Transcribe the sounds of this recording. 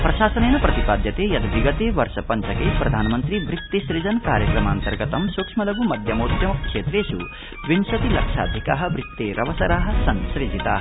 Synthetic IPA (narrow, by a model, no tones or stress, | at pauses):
pɾɐʃaːsɐneːnɐpɾɐt̪ipaːd̪jɐt̪eːjɐd̪ʋiɡɐt̪eːʋɐɾʃɐpɐɲt͡ʃɐkeːpɾɐd̪ʱaːnɐmɐnt̪ɾiʋɾit̪ːiʃɾid͡ʒɐnkaːɾjɐkɾɐmaːnt̪ɐɾɡɐt̪ɐmsukʂmɐlɐbumɐd̪ʱjɐmoːt̪jɐmɐkʂeːt̪ɾeːʃu | ʋinʃɐt̪ilɐkʂa̰ːd̪ʱika̰ːɦɐ̆ʋɾit̪ːeːɾʔɐʋɐsɐɾaːɦɐ̆sɐnʃɾid͡ʒʱit̪a̰ː